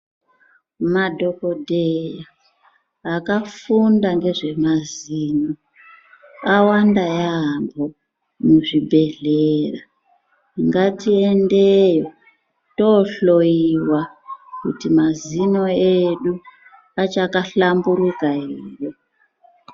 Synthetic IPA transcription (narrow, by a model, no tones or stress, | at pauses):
madʱo̞ko̞dʱejaː | kafundaŋɡe̞ʐe̞maziːno | awandajambo̞ | muʐibʱe̞ɮera | iŋɡatie̞ndejo̞ | to̞ɬojiwakṵtimazino̞eɗu | at͡ʃakaɬambuɾukaiːjo